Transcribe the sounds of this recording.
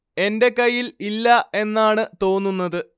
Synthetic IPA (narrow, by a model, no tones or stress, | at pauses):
e̞nde̞kɐjːililːɐe̞nːaːɳɨt̪o̞ːnːunːɐðɨ